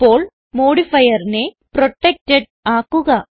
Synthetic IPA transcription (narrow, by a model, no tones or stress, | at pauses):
pːo̞ːɭ | moːɽifɐjɐrine | proʈːek̚tːeɖ | aːkːuɣɐ